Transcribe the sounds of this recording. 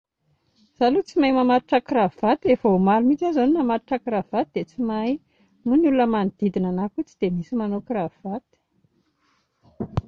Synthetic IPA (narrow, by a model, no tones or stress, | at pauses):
z̥alut͡simajmamaɾuʈ͡ʂakravvat̪efəomalumit͡ʃazaninamaɾiʈ͡ʂakiɾav̥at̪id̪̥et͡simaj | munulunəmand̪̥id̪inanakut͡sid̪emisimanokravat̪i̥